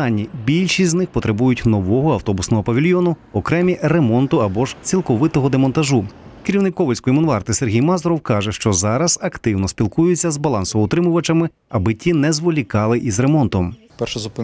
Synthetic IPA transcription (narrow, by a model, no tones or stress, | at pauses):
ɑnʲːibʲilʲʃisʲznɪxpɔt̪ɾebujʊtʲnɔʋɔɦɔɐwt̪ɔbʊsnɔɦɔpɐʋʲilʲjɔnʊ | ɔkɾɛmʲire̞mɔnt̪ʊɐbɔʒt͡sʲilˠkɔʋɪt̪ɔɦɔd̪emɔnt̪ɐʒukeɾʲiwnɪkɔʋɔlʲsʲkɔjimɔnʋɑrt̪ɪserɦʲijmɑzɔɾɔwkɑʒɛʃt͡ʃɔzɑɾɐzɐkt̪ɪwnɔsʲpʲilˠkujʊt͡sʲːɐzbɐlˠɑnsɔʋɔɔt̪ɾɪmʊʋɐt͡ʃɐmɪ | ɐbɪtʲːinɛzʋɔlʲikɑlˠɪʔizɾe̞mɔnt̪ɔm | pɛʃɛzʊpɪ